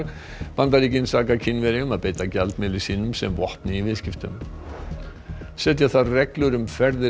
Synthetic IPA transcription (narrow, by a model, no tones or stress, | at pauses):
pant̪aɾicɪnsaːkacʰɪnvɛɾɪʏmaðpeːjt̪acɛlt̪mɪlɪ̥siːnʏmsɛ̰mvɔhpnɪivɪðscɪft̪ʏm | sɛt̪̬jaθaðrɛklʏɾʏmfɛɾðɪ